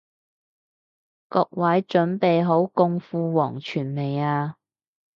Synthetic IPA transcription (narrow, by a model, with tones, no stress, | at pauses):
kɔː˧k̚wɐ˨˥jt͡ʃɵ˨˥npe˨jɦo˨˥wkʊ˧ŋfuː˧wɔː˨˩ŋt͡ʃʰyː˨˩nme˨jaː˧